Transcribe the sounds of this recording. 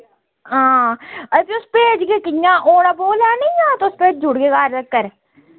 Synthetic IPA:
ɦãːəpiʊspeːd͡ʒɡeːkɪjãːʔoːɽaːboːlaːnə̃aːt̪ːʊspeːd͡ʒd͡ʒʊɽɡeːkaːɾəkːəɾ

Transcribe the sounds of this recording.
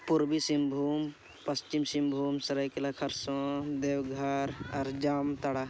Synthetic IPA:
puɾbisimbʱuːm | pɐst͡ʃimsimbʱuːmsɐɾɐjkelakʰɐɾsõd̪eːwɡʱɐɾɔɾd͡ʒaːmt̪ɐɽa

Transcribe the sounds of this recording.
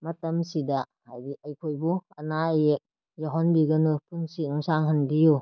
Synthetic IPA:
mɐtɐmsida | hajdiɐjkʰojbuɐnajek̚ | jaɦɔnbiɡɐnupʰunsinuŋsaŋɦandiju

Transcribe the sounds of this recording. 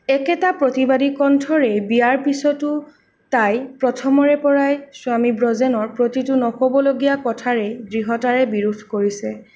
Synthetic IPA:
ɛkɛtapɹotibadikɔntʰɔɹɛbijaɹpisɔtʊ | tajpɹɔtʰɔmɔɹɛpɔɹajsʊamibɹɔzɛnɔɹpɹotitʊnɔxɔbɔloɡijakɔtʰaɹɛɡɹiɦɔtaɹɛbiɹudʱkoɹisɛ

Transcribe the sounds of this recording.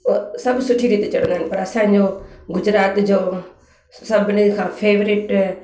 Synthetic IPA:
sɐbsʊʈʰːiːɾit̪et͡ʃɐɽ̃nd̪aɦnpɐɾɐsãːɲd͡ʒoːɡʊd͡ʒɾaːt̪d͡ʒoː | sɐbnekʰãːpʰeːʋɾɪʈ

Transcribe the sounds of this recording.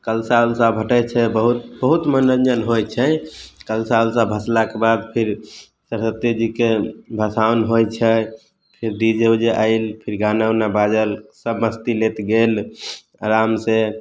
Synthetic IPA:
kəlsalsabʱəʈət͡ʃʰɛbəɦut̪bəɦut̪mənənd͡ʒənɦojt͡ʃʰɛkəlsaulsabʱəslakebad̪pʰiɾ | səɾsət̪ed͡ʒikebʱəsaʊnɦojt͡ʃʰɛ | pʰiɾd̪id͡ʒed͡ʒeʔaɪlpʰiɾɡanəwnabad͡ʒəɾsəbməst̪ilet̪ɡel | ɾamse

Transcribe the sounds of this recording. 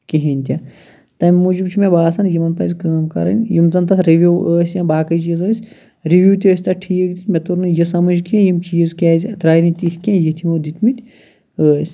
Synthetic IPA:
kiɦinʲt̪ʲa | t̪ɐmʲmud͡ʒibt͡ʃʰimẽbaːsɐnjimɐnpɐ̰zʲkaːmkɐ̰ɾɐ̰nʲjimt̪ɐnt̪ɐɾiʋʲuwəːsʲjãːbaːkɐjt͡ʃiːzəːsʲ | ɾiʋʲjuːt̪ʲiəːsʲt̪ɐʈʰiːk̚d̪it̪ʲmʲet̪uɾnɨjɐsɐmɐd͡ʒkẽjimt͡ʃiːzkʲaːzʲt̪ɾaːjnit̪ihkʲẽjit̪ʰimod̪it̪ʰmit̪ʲ | əːsʲ

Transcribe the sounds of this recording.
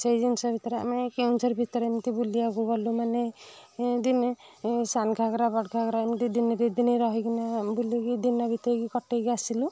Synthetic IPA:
sejd͡ʒinsɔbʱit̪ɔɾea̰mekewnsɔɾbʱit̪ɔɾemt̪ibulijaɡuɡɔlumane | d̪insanɡʱaɡɾabaʈɡʱaɡɾamt̪id̪inɾid̪inijɾɔɦiɡinabuliɡid̪inabʱit̪ɔɾɡikɔʈeɡiasilu

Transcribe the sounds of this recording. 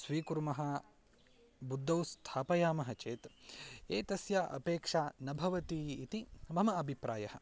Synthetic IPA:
sʋiːkuɾmɐɦɐ | bud̪ːɐwst̪ʰaːpɐjaːmɐɦɐt͡ʃeːt̪eːt̪ɐsjɐʔɐ̰peːkʂaːnɐbʱɐʋɐt̪iːt̪imɐmɐɐbʱipɾaːjɐhɐ̰̆

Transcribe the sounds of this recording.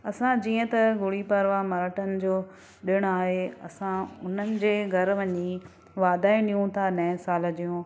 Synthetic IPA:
ɐsãd͡ʑiːə̃t̪ɐɡʊɽipɐɾʋamɐɾəʈənɪ̆d͡ʑoː | ɗɪɽ̃aːɦeɐ̰sãʊn̤ənɪ̆d͡ʑeːɡʱɐɾʋɐɲi | ʋaːd̪aːũɗijũt̪ʰanɐɦɪ̃saːld͡ʑijũː

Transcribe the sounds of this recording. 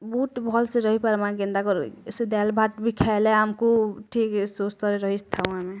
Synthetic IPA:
buʈbʱɔlseɾɔɦipaɾmãɡẽnd̪akɔɾsed̪ɛlbʱaʈbʱikʰɛleamkuʈʰiːksost̪ɔɾeɾɔɦist̪ʰaũamẽ

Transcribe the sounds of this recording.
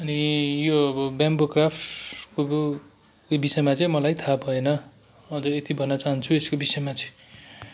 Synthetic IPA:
ʌnijoʌbʌbjambokrapʈko | bisʌjmat͡sʌj̃mʌlajt̪ʰabʱʌenʌ | ʌd͡zʌɾet̪ibʱʌnːʌt͡saɦnt͡sʰueskobisʌjmat͡sʌ̃

